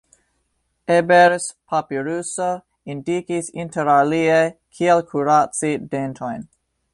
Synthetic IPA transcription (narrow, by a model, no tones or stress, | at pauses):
ebeɾspʰapiɾuso | indikisinteɾaliekʰielkʰuɾat͡sidentʰojn